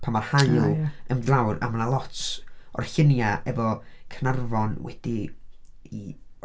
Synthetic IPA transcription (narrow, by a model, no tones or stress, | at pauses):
pʰamarhaɨlˠəmɡlˠawra̰mənalˠɔtʰɔ̰rɬɪnjaʔɛvɔkʰnarvɔnwɛ̰d̥i | i